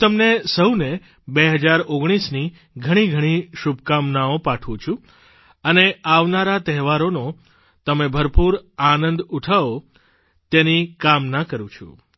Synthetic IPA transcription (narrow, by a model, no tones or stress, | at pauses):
t̪əmnesəwne | beɦəd͡ʒaɾoɡɽ̃isni | ɡʱəɽ̃iɡʱəɽ̃iʃubʱkamnaopaʈʰʋũt͡ʃʰũ | əneaʋnaɾat̪ɛɦʋaɾono | t̪əmebʱəɾpuɾanənd̪uʈʰao | t̪enikamnakəɾũt͡ʃʰṵ